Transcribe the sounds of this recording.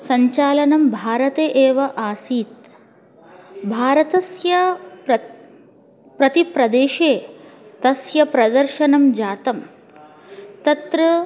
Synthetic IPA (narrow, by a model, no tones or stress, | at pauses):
sɐɲt͡ʃaːlɐnɐmbʱaːɾɐt̪eːʔeːʋɐʔaːsiːt̪̚ | bʱaːɾɐt̪ɐsjɐpɐ | pɾɐt̪ipɾɐd̪eːʃeːt̪ɐsjɐpɾɐd̪ɐɾʃɐnɐmd͡ʒaːt̪ɐm | t̪ɐt̪ɾɐ